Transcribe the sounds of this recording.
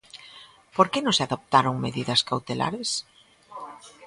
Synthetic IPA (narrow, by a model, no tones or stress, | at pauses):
poɾkenõŋseaðop̚t̪aɾoŋmeðiðɐskawt̪ela̰ɾes